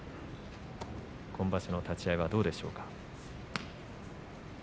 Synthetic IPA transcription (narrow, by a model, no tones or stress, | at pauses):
kʰõ̞mbaɕino̞t̪at͡ɕiaiβad̪o̞ːd̪e̞ɕo̞ːkḁ